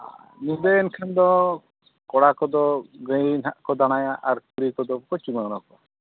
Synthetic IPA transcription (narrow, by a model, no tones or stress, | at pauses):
nibɛɛnkʰand̪ɔ | kɔɽakɔd̪ɔɡəjnaʔkɔd̪aɽ̃ajaʔaɾkuɾikɔd̪ɔpɔt͡ʃumanɔkɔ